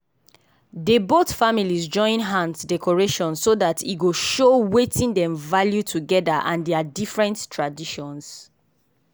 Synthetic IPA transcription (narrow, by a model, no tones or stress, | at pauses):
debotfamilizd͡ʒɔ̃ɪ̃nɦãntdɛkʰɔɹeʃɔ̃nssodatʰiɡoʃowetĩndɛ̃mvaljutʰuɡɛdaʔãndɛadifɹɛ̃nttʰɹadiʃɔ̃ns